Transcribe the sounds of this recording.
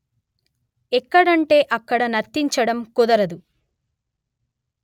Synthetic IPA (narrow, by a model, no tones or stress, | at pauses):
ɛkːɐɽɐɳʈe̞ːʔɐkːɐɽɐnɐɾt̪ːiɲt͡ʃɐɽɐmkud̪ɐɾɐd̪u